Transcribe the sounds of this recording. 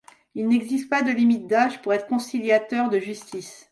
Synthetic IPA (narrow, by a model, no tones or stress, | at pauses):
ilnɛɡzist̪̚pad̪əlimit̪̚d̪aʒpuʁɛt̪χə̥kɔ̃siljat̪œʁd̪əʒyst̪is